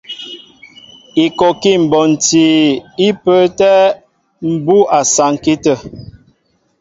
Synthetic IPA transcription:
i˨kɔ˨ki˦˨m̩˨bɔ˨n̩˨ti˨i˦pə˦tɛ˦ | m̩˨bu˦a˨sa˨ŋ˨ki˦tə˦˨

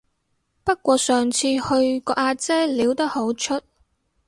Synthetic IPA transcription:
pɐ˥t̚kʷɔː˧sœː˨ŋt͡sʰiː˧hɵ˧ɥkɔː˧ʔaː˧t͡sɛː˥liː˨˥wt̪ɐ˥k̚ho˨˥wt͡ʃʰɵ˥t̚

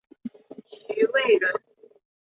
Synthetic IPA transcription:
ɕy˨˦we˥˩ɻə˨˦n

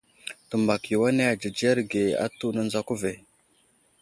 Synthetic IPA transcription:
tə˨mba˨ki˨wa˦ne˦a˨d͡ʒə˨d͡ʒe˦ɾɡe˨a̰˦tu˦nə˦nza˦ku˦ve˨

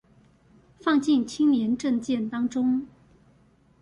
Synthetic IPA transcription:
fɑ˥˧ŋt͡ɕi˥˩nt͡ɕʰi˥ŋnjɛ˧˥nʈ͡ʂɤ˥˧ŋt͡ɕjɛ˥˩nt̪ɑ˥ŋʈ͡ʂʊ˥ŋ

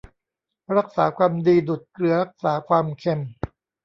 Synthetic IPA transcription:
ɾa˦˥k̚saː˩˦kʰwaː˧mdiː˧du˨˩t̪̚kɾɯ˧ɐɾa˦˥k̚saː˩˦kʰwaː˧mkʰe˧m

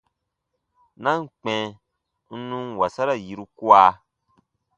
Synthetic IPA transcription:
nã˦ŋ̩˦˨k͡pɛ̃˨ | n̩˦nũ˦wa˨sa˦ɾa˨ji˨ɾu˧ku˦a˧

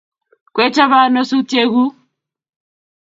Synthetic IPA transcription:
kwɛ˦t͡ʃa˦βa˦nɔ˦su˦te˦ɣu˦

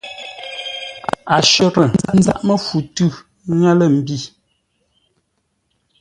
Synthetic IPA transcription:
a˨ʃɔ˦˨ɾə˨a˦n̩˦za̰˦˨ʔmə˦fu˨tʉ˦˨ | ŋa˦lə˦˨m̩˨bi˦˨

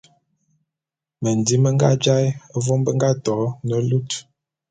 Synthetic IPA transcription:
mə˨n˨di˨˦mə˦ŋɡa̰˦d͡ʒa˦jə˦vɔ˦mbə˦ŋɡa˦tɔ˨˦nə˨lu˦t

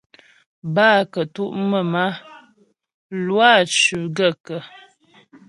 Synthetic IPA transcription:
baː˦˨kə˨tu˦ʔmə˦˨ma˦ | lwa˦˨t͡ʃʉ˨ɡə˦˨kə˨

